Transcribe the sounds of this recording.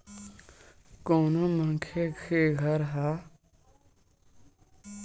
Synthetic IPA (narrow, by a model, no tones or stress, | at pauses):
koːnõməŋkʰekʰeːɡʱəɾɦaː